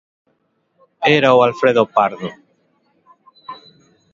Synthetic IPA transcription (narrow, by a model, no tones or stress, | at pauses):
eɾawalfɾeðopaɾðo